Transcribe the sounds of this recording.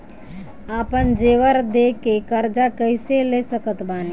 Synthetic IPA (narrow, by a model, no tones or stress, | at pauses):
aːpənd͡ʒeːʋəɾd̪eːkekəɾd͡ʒakəɪseleːsəkət̪baːni